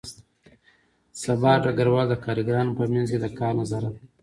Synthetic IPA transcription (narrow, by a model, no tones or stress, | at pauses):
sabɑɖaɡaɾwɑːld̪əkɑɾiɡɾɑːnpəmanzked̪əkɑːɾnazɑɾat̪̚